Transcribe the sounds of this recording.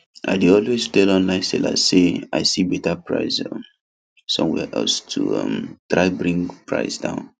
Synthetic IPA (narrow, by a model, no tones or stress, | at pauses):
ʔa̰ɪdeɔlwestɛlɔ̃nlãɪ̃sɛ̰la̰sea̰ɪsibɛtapɹa̰ɪsɔm | sɔ̰̃mwɛ̰ʔɛ̰lstʰṵʌ̰mtɹaɪbɹĩŋɡpɹa̰ɪsdã̰ʊ̃n